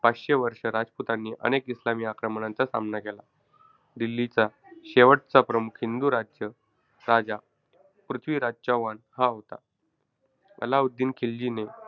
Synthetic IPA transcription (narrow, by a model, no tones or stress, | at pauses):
paɕeʋəɾʂəɾad͡zput̪anːiːʔə̰nekislamiːakɾəmɳãnt͡sasa̰mnakela̰ | d̪ilːit͡sa | ɕeʋəʈ̚t͡sapɾəmukʰind̪uɾad͡zjə | ɾad͡za | pɾut̪ʰʋiːɾad͡zt͡ɕaʋanhaɦot̪a̰ | mə̰laud̪ːiːnkʰeld͡ʑine